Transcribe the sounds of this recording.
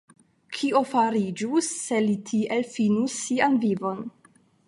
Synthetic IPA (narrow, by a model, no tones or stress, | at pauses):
kʰio̞faɾid͡ʒusːe̞litʰiʔe̞lfinusːianvivo̞n